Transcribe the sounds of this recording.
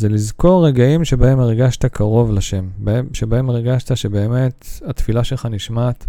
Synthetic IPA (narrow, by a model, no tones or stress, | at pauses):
zelizko̞ʁːeɡaimʃe̞bae̞meʁɡaʃt̪akʰaʁo̞vlaʃe̞mbeʃe̞bae̞meʁɡaʃt̪aʃebe̞ːme̞t̪hat̪filaʃelχaniʃmaːt̪